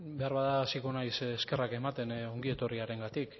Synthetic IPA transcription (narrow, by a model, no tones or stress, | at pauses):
be̞aɾβaðaːsikonajsːske̞rake̞mat̪e̞no̞ŋɡie̞t̪o̞riaɾe̞ŋɡat̪ik